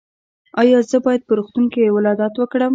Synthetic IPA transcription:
ɑjɑzəbɑjad̪̚pəɾuxt̪uŋkewɪlɑd̪ɑt̪wəkɽəm

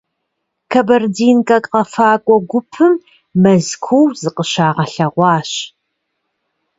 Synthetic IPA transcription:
kʰɐbɐrdiːnkʼɐkʼqɐfaːkʷʼɔɡʷʊpʰɨmː | ɐzkʷʰuwzɨqʼəɕaːʁɐɬɐʁʷɑːɕ

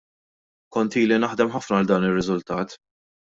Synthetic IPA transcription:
kɔnt̪iːlinɐħd̪ɛmħɐfnɐld̪ɐːnɪrːɪzʊlt̪ɐːt̪

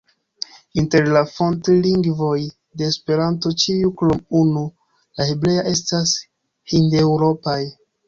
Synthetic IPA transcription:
inte̞ɾlafo̞ntliŋɡvo̞j | de̞ːspe̞ɾanto̞t͡ʃiuklomunu | laheble̞jaʔe̞stas | hindewɾo̞paj

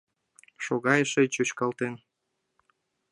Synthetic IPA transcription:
ʃoɣɑjəʃet͡ɕot͡ɕkɑlt̪en

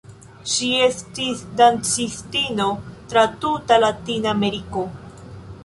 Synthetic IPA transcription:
ʃie̞stisdant͡sistino̞tɾatutalatinaːme̞ɾiko̞

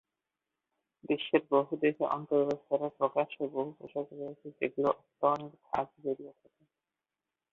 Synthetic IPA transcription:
d̪iʃːeɾboɦud̪ekeʔɔ̰nt̪oɾbost̪aɾapɾokaʃoboɦupoʃak̪ɾoet͡ɕʰed͡ʑeɡuloʔɔkt̪ːaniɾk̪ʰa̰kbeɾijet̪ʰake

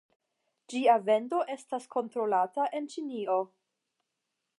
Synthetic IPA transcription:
d͡ʒiave̞ndo̞ʔe̞staskʰo̞ntɾo̞lataʔe̞nt͡ʃinio̞

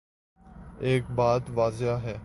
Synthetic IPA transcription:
eːkbaːd̪ʋaːzɪaːɦɛː

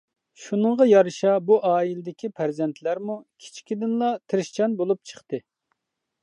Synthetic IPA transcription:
ʃunəɴʁɑjɑɾɨʃɑbuʔɑːilɪd̪ɪkʲʰipʰæɾzɛnt̪ʰlæɾmukʲʰi̥t͡ʃʰkʲid̪ɪnlˠɑt̪ʰɪɾɪʃt͡ʃʰɑnbolˠup̚t͡ʃʰə̥χt̪ɨ

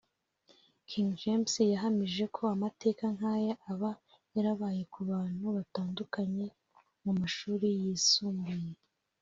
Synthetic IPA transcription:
kʰiŋʒemsijaɦamiʒe̞kʰo̞amate̞ːkaŋaːjeʔaβa | jaɾaβaːje̞kuβaːn̥huβataːndukaɲe̞ | mumaʃuːɾijiːsuːmbuje

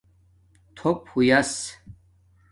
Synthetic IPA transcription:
t̪ʰɔp̚hujas

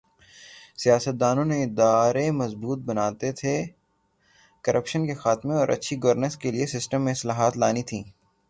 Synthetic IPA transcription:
sijaːsət̪̚d̪aːnõneɪd̪aːɾemɐzbuːt̪̚bɐnaːt̪et̪ʰe | kɐɾʔəpʃənkexaːt̪mẽɔːɾʔɐ̰tːʃʰiɡɐʋəɾnəskeliesɪsʈəmːẽɪslaːɦaːt̪laːnit̪ʰĩː

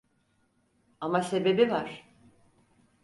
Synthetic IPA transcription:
amase̞be̞bivaɾ̥

